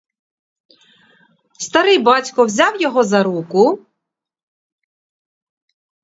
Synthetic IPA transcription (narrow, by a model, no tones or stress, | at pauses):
st̪ɐɾɪjbɑtʲkɔwzʲɑwjɔɦɔzɐɾukʊ